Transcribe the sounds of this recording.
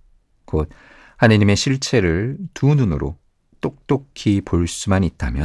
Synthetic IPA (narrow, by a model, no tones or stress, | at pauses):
kot̚ | hanɯɲime̞ɕʰiɭt͡ɕʰe̞ɾɯɭtununɯɾo̰ | t͈ok̚t͈okʰipoɭs͈umanit͈̚amjʌ